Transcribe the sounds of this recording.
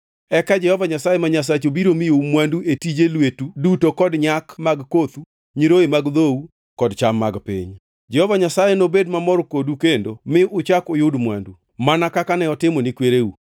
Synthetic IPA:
ɛkad͡ʒɛhɔvaɲasajemaɲas̬at͡ʃobiɾomijoumwanduetid͡ʒelwetudutokɔdɲakmaɡkot̪u | ɲiɾoemaɡðou | kɔdt͡ʃamːaɡpɪ̰ɲ | d͡ʒɛhɔvaɲasajenobedmamɔɾkodukendomɪʊt͡ʃakʊjʊdmwa̰ndu | manakakanɛɔtɪmɔnikweɾeu

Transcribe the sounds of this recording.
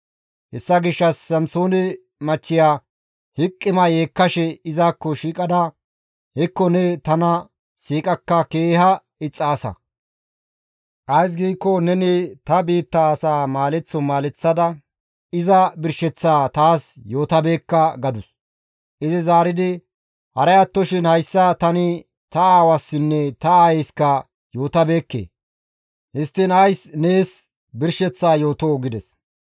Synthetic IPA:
hɛsːɐɡɪʃːɐsːɐmsoːnɛ | mɐt͡ʃːɪjaː | hɪkʼːɪmɐjeːkːɐʃɛɪzaːkːɔʃiːkʼɐd̪ɐ | hɛkːɔnɛt̪ɐnɐ | siːkʼɐkːɐke̞ːhɐ | ɪt͡sʼːaːsɐ̰ | ʔɐjs̬ɡiːkːɔnɛnɪt̪ɐbiːt̪ːaːsaːmaːlɛt͡sːɔmaːlɛt͡sːɐd̪ɐ | ɪzɐbɪɾʃɛt͡sːaːt̪aːsjo̞ːt̪ɐbe̞ːkːɐɡɐd̪ʊs | ʔɪzɪzaːɾɪd̪ɪ | hɐɾɐjɐt̪ːɔʃɪnhɐjsːɐt̪ɐnɪ | t̪ɐaːwɐsːɪnːɛt̪ɐaːjejskɐ | jo̞ːt̪ɐbe̞ːkːḛː | hɪst̪ːɪnɐjsneːs | bɪɾʃɛt͡sːaːjo̞ːt̪oːɡɪd̪ɛs

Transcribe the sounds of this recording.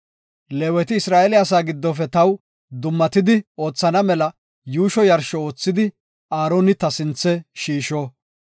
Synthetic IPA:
leːwɛt̪ɪɪsɾaːʔɛlɪɐsaːɡɪd̪ːɔfɛt̪ɐw | d̪ʊmːɐt̪ɪd̪ɪo̞ːt͡sːɐnɐmɛlɐ | juːʃɔjɐɾʃɔo̞ːt͡sːɪd̪ɪ | aːɾoːnɪt̪ɐsɪnt͡sːɛʃiːʃoː

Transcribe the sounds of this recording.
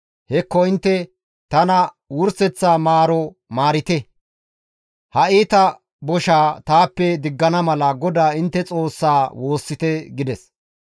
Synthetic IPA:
hɛkːɔɪnt̪ːɛ | t̪ɐnɐ | wʊɾsɛt͡sːaːmaːɾɔ | maːɾɪt̪ɛ | hɐiːt̪ɐ | bɔʃaːt̪aːpːɛd̪ɪɡːɐnɐmɐlɐɡɔd̪aːɪnt̪ːɛt͡sʼo̞ːsːaːwo̞ːsːɪt̪ɛɡɪd̪ɛs

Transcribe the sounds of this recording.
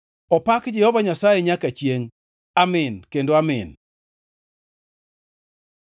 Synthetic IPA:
ɔpakd͡ʒɛhɔvaɲasajɛɲakat͡ʃjeŋ | amɪnkendoamɪn

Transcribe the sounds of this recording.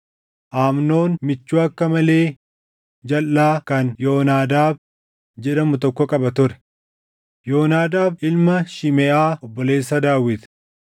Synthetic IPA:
ʔaːmno̞ːnmɪt͡ʃːuːɐkːɐmɐle̞ː | d͡ʒɐlːaːkɐnjo̞ːnaːd̪aːb | d͡ʒɛᶑɐmʊt̪ɔkːɔkʼɐbɐt̪ʊɾɛ̥ | jo̞ːnaːd̪aːbɪlmɐʃɪmɛʔaːɔbːɔle̞ːsːɐd̪aːwɪt̪

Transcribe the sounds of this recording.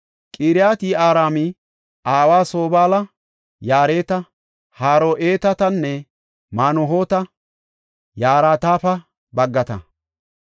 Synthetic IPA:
kʼiːɾɪjaːt̪iːaːɾaːmɪ | aːwaːso̞ːbaːlɐ | jaːɾeːt̪ɐ | haːɾoːʔeːt̪ɐt̪ɐnːɛ | maːnɔɦoːt̪ɐ | jaːɾaːt̪aːfɐ | bɐɡːɐt̪ɐ̰

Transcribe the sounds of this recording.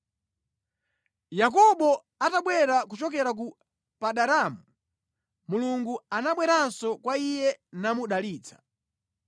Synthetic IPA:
jak̬ɔɓɔ | ataɓwɛɾakut͡ʃɔk̬ɛɾak̬u | paɗaɾamu | muluŋɡuanaɓwɛɾansɔkwaijɛnamuɗaliːt͡sʰḁ

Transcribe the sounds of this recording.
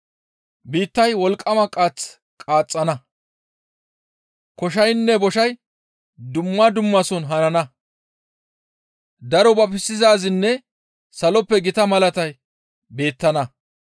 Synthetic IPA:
biːt̪ːɐjwɔlkʼːɐmɐkʼːat͡s | kʼaːt͡sʼːɐnɐ | kɔʃ̬ɐjnːɛbɔʃɐj | d̪ʊmːɐd̪ʊmːɐsɔnɦɐnɐnɐ | d̪ɐɾɔbɐpɪsːɪzaːzɪnːɛ | sɐlɔpːɛɡɪt̪ɐmɐlɐt̪ɐj | be̞ːt̪ːɐnɐ

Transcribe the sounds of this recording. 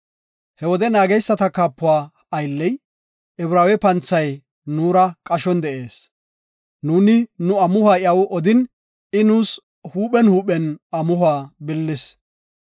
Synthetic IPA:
hɛwɔd̪ɛnaːɡɛjsːɐt̪ɐkaːpːʊaː | ɐjlːɛj | ɛbɾaːwɛpɐnt͡sːɐj | nuːɾɐkʼɐʃɔnd̪ɛʔe̞ːs | nuːnɪnʊɐmʊhaːjɪɐwʔɔd̪ɪn | ɪnuːs | huːpɛnhuːɓɛnɐmʊhʊaːbɪlːɪs

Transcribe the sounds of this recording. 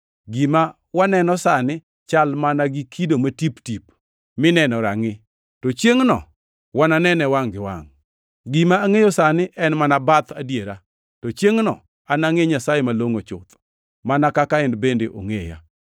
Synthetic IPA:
ɡɪma | wanɛnɔsanɪ | t͡ʃalmanaɡikʰidomatiptip | mɪnɛnɔɾa̰ŋɪ | tɔt͡ʃjeŋnɔ̰ | wananɛnɛwaŋɡɪwa̰ŋ | ɡimaːŋejɔsanɪʔɛnmanabat̪adjeɾa | tɔt͡ʃjeŋnɔ̰ | anaŋeɲasajɛmaloŋot͡ʃʊ̰t̪ | manakakaɪnbendeʔo̰ŋeja̰

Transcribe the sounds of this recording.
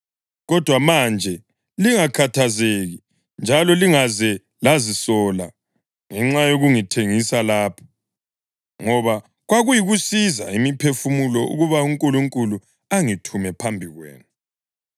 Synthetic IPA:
ɣɔd̥ʱwamand͡ʒʱɛ | liŋakʰatʰazeɣi | nd͡ʒʱalɔliŋazɛ | lazisɔla | ŋɛŋ͡ǁajoɣuŋitʰeŋisalaːpʰɔ̥ | ŋɔβa | ɣwaɣujiɣusiza̰imipʰefumulɔʔṵɣuβauŋkʼuluŋkʼulu | aŋitʰumɛpʰambʱiɣwɛ̰ːnu

